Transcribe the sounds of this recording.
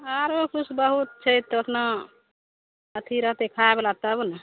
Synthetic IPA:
aɾokʰusbəɦut̪̚t͡ʃʰəjt̪ːətʰna | ət̪ʰiɾəɦt̪ekʰaebelat̪əbun

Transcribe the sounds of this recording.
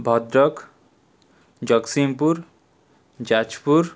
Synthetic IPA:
bʱɔd̪ɾɔk | d͡ʑʌksimpuɾ | d͡ʑat͡ʃpuɾ

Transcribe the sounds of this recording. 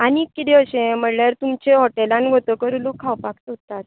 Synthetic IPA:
anikːit̪ʰeəɕẽm̤əɽljaɾt̪umt͡ɕeɦɔʈelãnɡʱot̪əkəɾulokʰːawpakt̪əut̪ːat̪̚

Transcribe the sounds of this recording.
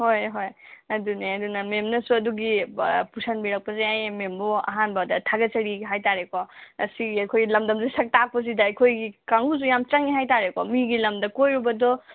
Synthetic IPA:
hojɦojɐduneɐdunɐmemnɐsuɐduɡipusʰanbiɾɐk̚pɐzajajmembɔɐ̰ɦanbɐdɐtʰaɡɐt͡ʃɐɾiɡɦajtaɾekɔɐ̰siɡiɐkʰojɡilɐmdɐmzesɐk̚tak̚pɐs̬idaɐkʰojɡikaŋuz̬ujamt͡ʃaŋiɦajtaɾekɔmiɡilɐmdɐkojɾubɐdɔ

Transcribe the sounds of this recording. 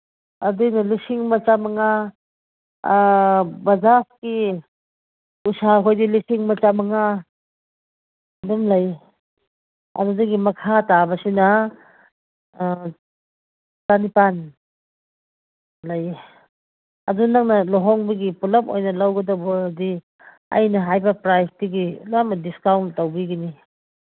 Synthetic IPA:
ɐdujnɐlisiŋmɐt͡ʃamaŋa | bɐzaski | usaɦojdilisiŋmɐt͡ʃamaŋa | dumlaj | a̰dudɐɡimɐkʰatabɐsina | tanipan | laj | a̰dunaŋnɐloɦɔŋbɐɡipulɐmo̰jnɐlawɡɐdawbɔdi | ɐ̰jnɐɦajbɐpɾajk̚tiɡilamadiskawntːawbiɡini

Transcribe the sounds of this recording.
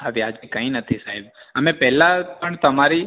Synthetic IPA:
aʋiad͡ʒikəɦĩnət̪ʰisaɦɛbəmẽpɛɦlapəɳt̪əmaɾi

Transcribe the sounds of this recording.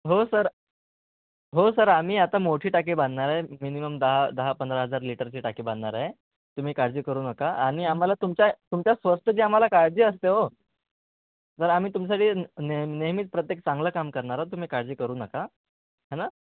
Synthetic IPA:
ɦosəɾ | ɦosəɾam̤iːat̪amoʈʰiːʈak̬iːbanɳaɾaɦeminiməmd̪əɦad̪əɦapənd̪ɾəɦəd͡zaɾliʈəɾt͡ɕiːʈakiːbãnɳaɾaɦe | t̪um̤iːkaɾd͡ziːkəɾuːnəkaaɽ̃iam̤alat̪umt͡ɕjat̪umt͡ɕjasʋəsʈ̪ʰəd͡ʑiːam̤alakaɾd͡ʑiːəst̪eɦo | t̪əɾam̤iːt̪ums̬aʈʰiːneneɦmiːt̪̚pɾət̪jek̚t͡sãŋɡləːkamkəɾɳaɾat̪̬um̤iːkaɾd͡ʑiːkəɾuːnəka | ɦana

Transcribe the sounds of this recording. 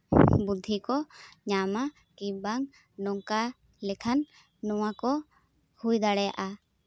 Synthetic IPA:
bud̪ʱikɔɲama | ibaŋ | nɔŋka | lɛkʰanː | ɔwakɔ | hujd̪aɽɛja̰ʔa

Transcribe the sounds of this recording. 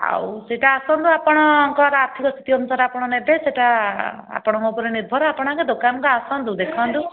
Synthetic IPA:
a̰wseʈaːsɔnd̪uapɔɽ̃ɔŋkɔɾaɾt̪ʰikɔst̪ʰi̥t̪iɔnusaɾapɔɽ̃ɔnebeseʈa | a̰pɔɽ̃ɔŋkɔpɔɾiniɾbʱɔɾɔapɔɽ̃aŋked̪okanŋkɔasɔnd̪ud̪ekʰɔ̃nt̪u

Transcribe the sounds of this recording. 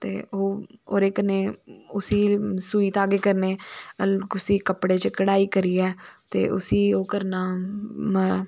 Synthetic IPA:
t̪ḛːoːo̰ːɾeːkəneːʊsiːsuːiːt̪aːɡeːkəɾneː | kʊsiːkəpɽeːt͡ʃəkəɽaːiːkəɾiːɛːt̪ḛːʔʊ̰siːoːkəɾnaː

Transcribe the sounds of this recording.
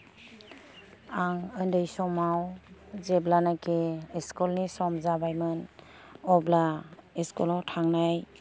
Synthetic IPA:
aŋəndɯjsɔmawzeblanakeeskɔlnisɔmzabajmɯn | ɔblaeskɔlɔtʰaŋnaj

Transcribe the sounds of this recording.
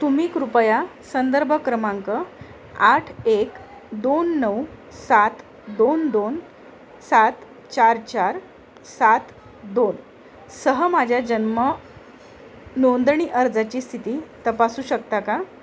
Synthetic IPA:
t̪umiːkɾupəjasənd̪əɾbʱəkɾəmaŋkə | aʈʰek | d̪onːəwsat̪ | d̪ond̪on | sat̪ | t͡ɕaɾt͡ɕaɾ | sat̪ | d̪on | səɦəmad͡ʑʱjad͡ʑənmə | nond̪ɳ̃iːʔəɾd͡zat͡ɕiːst̪ʰit̪iːt̪əpasuːɕəkt̪aka

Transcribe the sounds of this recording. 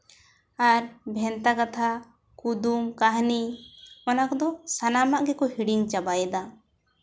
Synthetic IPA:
aɾbʱɛnt̪akat̪ʰa | kud̪umkaɦniɔnakɔd̪ɔsanamaʔɡɛkɔhiɽiŋt͡ʃabajɛd̪a

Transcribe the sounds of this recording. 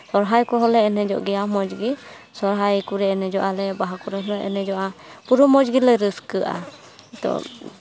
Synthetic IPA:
sɔɾɦajkɔɦɔlɛːnɛd͡ʒɔ̰ʔɡɛjamɔd͡ʒɡi | sɔɾɦajkuɾɛːnɛd͡ʒɔʔalɛbaɦakɔɾɛɦɔlɛʔɛ̰nɛd͡ʒɔʔapuɾɔmɔd͡ʒɡiləjɾəskɯʔa̰ | t̪ɔ̰

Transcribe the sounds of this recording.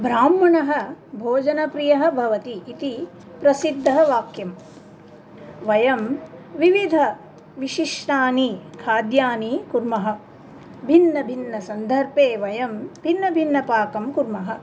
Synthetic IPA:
bʱɾaːmːɐɳɐɦɐ̆bʱoːd͡ʒɐnɐpɾijɐɦɐ̆bʱɐʋɐt̪iːt̪i | pɾɐsid̪ʱːɐɦɐʋaːkjɐm | ʋɐjɐmʋiʋid̪ʱɐ | ʋiʃiʂɳaːnikʰaːd̪jaːnikuɾmɐɦɐ̆ | bʱinːɐbʱinːɐsɐnd̪ʱɐɾpeːʋɐjɐmbʱinːɐbʱinːɐpaːkɐmkuɾmɐɦɐ̆

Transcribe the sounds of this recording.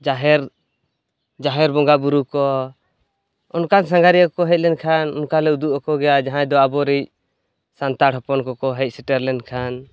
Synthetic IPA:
d͡ʒaɦɛɾ | d͡ʒaɦɛɾbɔŋɡabuɾukɔ | ɔnkans̬ãŋɡaɾiakɔkɔɦɛc̚lɛnkʰanɔ̰nkalɛud̪uʔɔkɔɡɛjad͡ʒaɦãd̪ɔabɔɾɛc̚ | sant̪aɽhɔpɔnkɔkɔɦɛc̚ˀsiʈɛɾlɛnkʰan

